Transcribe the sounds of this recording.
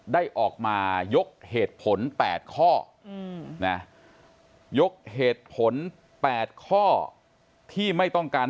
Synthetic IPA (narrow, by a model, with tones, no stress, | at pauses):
daː˥˩jʔɔː˨˩k̚maː˧jo˦˥k̚heː˨˩t̪̚pʰo˩˦npɛ̰ː˨˩t̪̚kʰɔː˥˩ | na˦˥ | jo˦˥k̚heː˨˩t̪̚pʰo˩˦n | pɛː˨˩t̪̚kʰɔː˥˩ | t̪ʰiː˥˩ma˥˩jt̪ɔ˥˩ŋkaː˧n